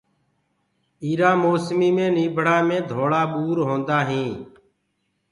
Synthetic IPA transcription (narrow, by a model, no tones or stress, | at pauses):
iːɾãːmoːsmiːmẽːnĩːbʱɽaːmẽːd̪ʱoːɽaːɓuːɾɦõːnd̪aːɦĩː